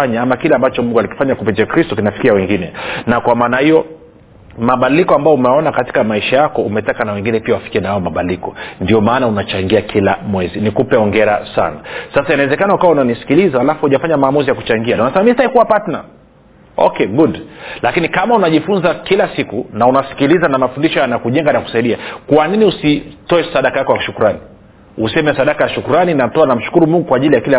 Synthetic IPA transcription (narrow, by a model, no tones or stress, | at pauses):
aɲaamakilɛambat͡ʃɔmuŋɡualiki̥faɲakupɛt͡ʃɛkɾistɔkinafi̥kiawɛŋɡinɛnakwamaːnahijɔ | maɓadilikɔambajɔumɛaɔnakati̥kamaiʃajakɔumɛtakanawɛŋɡinɛpiawafi̥kiɛnahaɔmaɓadilikɔndiɔmaːnaunat͡ʃaŋɡiakʰila̰mwɛzinikupɛɔŋɡɛɾa̰sa̰nasasainawɛzɛkanaukawaunanisi̥kilizahalafuhuʄafaɲamaːmuzijaku̥t͡ʃaŋɡianaunasɛmamistahikuwapatna̰ | ɔ̰kɛɡudlakinikamaunaʄifunzakilasikunaunasi̥kilizanamafundiʃɔjanakuʄɛŋɡanaku̥saiɗiakwaniniusitɔɛsaɗakaakaʃukuɾani | usɛmɛsaɗakajaʃukuɾaninatɔanam̩ʃu̥kuɾumuŋɡukwaʄilijakilɛ